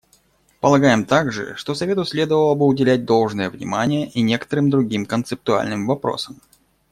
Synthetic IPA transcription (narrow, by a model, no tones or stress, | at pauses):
pəlˠɐɡajɪmt̪aɡʐɨ̰ʂt̪osɐvʲe̞t̪ʊsʲlʲe̞d̪əvəlˠəbɨʊdʲɪlʲæt̚ʲd̪o̞lˠʐnɨjəvnʲɪ̰manʲɪjəʔinʲe̞kə̥t̪əɾɨmd̪ɾʊɡʲimkənt̪sɨp̚t̪ʊa̰lʲnɨmvɐpɾo̞̰səm